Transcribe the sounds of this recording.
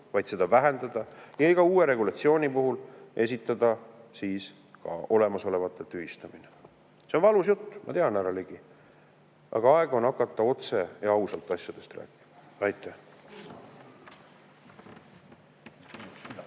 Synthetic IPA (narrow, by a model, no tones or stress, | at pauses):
vɑjd̪̥se̞d̪ɑvæɦe̞nd̪ɑd̪̥ɑjɑiɡ̥ɑuːwe̞ɾe̞ɡulɑt̪sio̞ːnʲipuɦulʔe̞sʲit̪ːˑɑd̪̥ɑsiːs | kɑ̰o̞le̞mɑso̞le̞vɑt̪ˑːet̪yɦist̪ɑmine | seonvɑlusjut̪ːmʔɑ̰t̪e̞ɑnæɾɑleɡ̥i | ʔɑ̰ɡ̥ɑɑeɡ̥o̞nɑkːˑɑt̪ːˑɑo̞t̪seɑɑusɑlt̪ːˑɑsʲjɑd̪̥e̞st̪ræ̰ːkːˑi̥mɑ | ɑjt̪ːˑæ